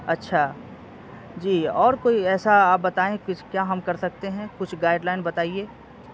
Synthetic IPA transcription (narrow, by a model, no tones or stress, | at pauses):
ɐtːʃʰaː | d͡ʒiːɔːɾkoːiɛːsaaːp̚bɐt̪aːẽkʊt͡ʃʰkjaːɦɐmkɐɾsɐk̚t̪eɦɛ̃kʊt͡ʃʰɡaːɪɖlaːɪnbɐt̪aːieː